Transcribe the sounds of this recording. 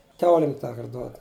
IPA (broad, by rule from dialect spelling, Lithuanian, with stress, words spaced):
ˈkʲɛʊlʲɪm ˈtɑːkɐrt ˈduɔt